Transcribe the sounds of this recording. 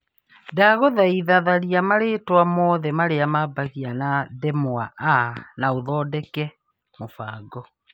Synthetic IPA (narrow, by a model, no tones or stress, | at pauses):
daɣoðaiðaðaɾiamaɾetwamɔːðɛmaɾeamabaɣianadɛmoaʔanaoðɔːdɛkɛ | mofaːɡɔ